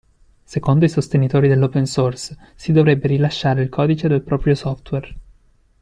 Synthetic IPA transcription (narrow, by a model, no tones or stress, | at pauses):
sekond̪oisost̪enit̪oːɾid̪elːopensorsː | id̪ovɾebːeɾilaʃːaːɾeilkʰɔːd̪it͡ʃed̪elpɾɔːpɾjosɔft̪wer